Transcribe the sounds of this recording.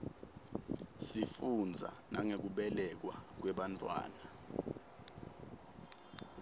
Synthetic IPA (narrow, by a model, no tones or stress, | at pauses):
sifund͡zʱa̰naŋek̬uɓɛlɛk̬wa̰k̬wɛɓantʼwa̰ːna